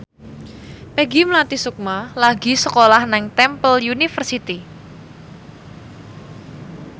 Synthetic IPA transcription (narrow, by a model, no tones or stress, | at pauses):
pɛɡiməlat̪isuk̚malaɡi̤səkolahnɛŋt̪ɛmpəljunifərsit̪i